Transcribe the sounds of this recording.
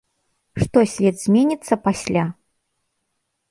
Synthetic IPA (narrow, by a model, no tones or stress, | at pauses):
ʂt̪ɔsʲvʲɛd̪zʲmʲenʲit̪sːɐpasʲlʲa